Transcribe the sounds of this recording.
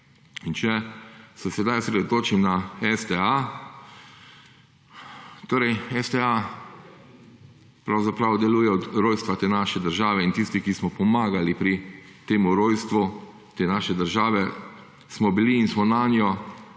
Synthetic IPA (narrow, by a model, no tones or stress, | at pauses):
int͡ʃɛsɛsɛd̪ajsɾed̪ot̪oːt͡ʃimnaɛst̪ɛa | t̪oːɾɛjɛst̪ɛa | pɾawzapɾawd̪ɛluːjɛɔd̪ɾojst̪ʋat̪eːnaʃɛd̪əɾʒaːʋɛint̪ist̪ikismɔpɔmaːɡalipɾi | t̪eːmuɾoːjst̪ʋu | t̪eːnaːʃɛd̪əɾʒaːʋɛ | smɔbiliːnsmɔnaːnjɔ